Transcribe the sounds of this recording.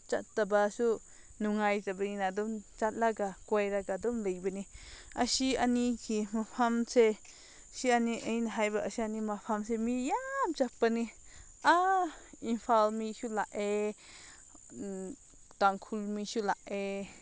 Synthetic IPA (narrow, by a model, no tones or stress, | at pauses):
t͡ʃat̪t̪abasu | nuŋajzabəninad̪umt͡ʃat̪̚laɡakwajɾaɡad̪umləjbəniʔasianikʰimapʰamse | sianiʔəjnaɦajbaʔasianimapʰamsemijamt͡ʃak̚bəni | ʔainpʰalmiʃulaʔe | t̪aŋkʰulmiʃulaʔe